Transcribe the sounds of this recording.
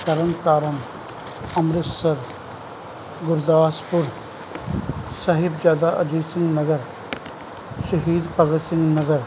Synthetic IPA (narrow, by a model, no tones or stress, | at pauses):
k̪əɾənkaːɾəm | ɐmɾɪt̪səɾ | ɡʊɾd̪aːspʊɾ | saːɦɪbd͡ʒjaːd̪aːʔɐd͡ʒiːsɪ̃ŋɡnəɡəɾ | ʃəɦiːd̪pəɡəsɪ̃ŋɡnəɡəɾ